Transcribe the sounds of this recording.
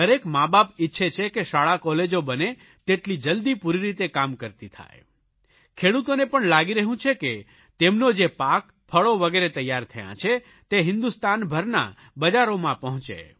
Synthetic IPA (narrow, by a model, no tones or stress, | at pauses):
əɾekmabapɪtːʃʰet͡ʃʰekeʃaɭakɔled͡ʒobəne | t̪eʈlid͡ʒəld̪ipuɾiɾit̪ekamkəɾt̪it̪ʰa̰j | kʰeɽut̪onepəɳlaɡiɾəɦũt͡ʃʰeke | t̪emnod͡ʒepak | pʰəɭoʋəɡeɾet̪əjːaɾt̪ʰəjã̰t͡ʃʰe | t̪eɦɪnd̪ust̪anbʱəɾna̰ | bəd͡ʒaɾomãpəɦɔ̃t͡ʃḛ